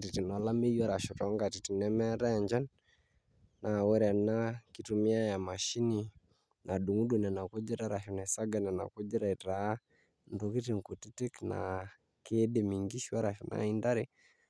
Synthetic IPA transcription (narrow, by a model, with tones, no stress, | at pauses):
ti˨ti˨nɔ˨˦la˦me˦ja˦ɾa˨ʃɔ˨tɔ˨˦ŋɡa˨ti˨ti˨nɛ˦mɛ˦ɾa˦˨ɲd͡ʒa˦nː | a˨wɛ˦ɾɛ˨na˦ki˦tu˨mi˦a˦ja˨ma˨ʃi˦ni˦ | nʔa˨ɗu˨ŋu˦ɗu˨nɛ˨na˨ko˦d͡ʒi˦ɾa˦ɾa˨ʃɔ˨na˨i˨sa˦ɡa˨nɛ˨na̰˨ko˦d͡ʒi˦ɾa˦i˨ta˨˦ | ndo˨ki˦ti˨ŋ˨ku˨ti˦te˦kna̰˨ | ke˦de˨mi˨ŋɡi˦ʃi˦wa˦ɾa˨ʃɔ˨nʔa̰˨i˦nda˦ɾe˦